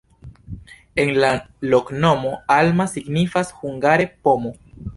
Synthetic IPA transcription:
e̞nla | lo̞kno̞mo̞almasiɡnifashuŋɡaɾe̞po̞mo

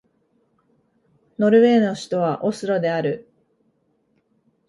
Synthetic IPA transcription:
no̞ɾɯ̟βe̞ːno̞ɕi̥t̪o̞βaʔosɨɾo̞d̪e̞aɾɯ̟

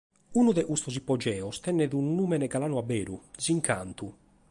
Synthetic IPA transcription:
unuðɛʔust̪ɔsipːɔd͡ʒɛːɔst̪ɛnːɛðunːuːmɛnɛɡalaːnuabɛːɾṵziŋkʰa̰nt̪u

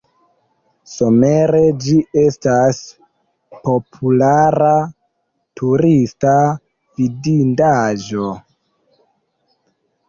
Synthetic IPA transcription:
so̞meɾe̞d͡ʒie̞stas | po̞pʰulaɾa | tʰuɾista | vidindaʒo̞

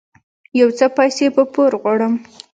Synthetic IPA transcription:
jawt͡səpɑjsepəpoɾɣwaɽəm

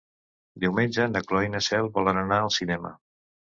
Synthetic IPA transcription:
d̪iwmenʲd͡ʒənəklɔinəsɛlˠbɔlənənaəlˠsinɛmə̰

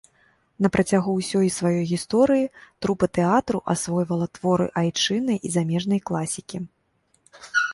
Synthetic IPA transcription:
nɐpɾʔɐt͡sʲaɣuwsʲɔjisvajɔjɣʲist̪ɔɾɨjit̪ɾupɐt̪ɛat̪ɾuʔasvɔjvɐlˠɐt̪vɔɾɨ̰ʔajt͡ʂɨnɨjʔizamʲɛʐnɐjklˠasʲikʲi

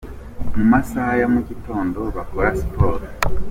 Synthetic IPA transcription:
mumasahajamuɟito̞ːndo̞βakoɾasi̥po̞ːɾ

